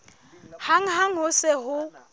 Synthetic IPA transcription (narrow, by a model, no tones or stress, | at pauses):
haŋ̩ɦaŋ̩ɦʊsɛɦʊ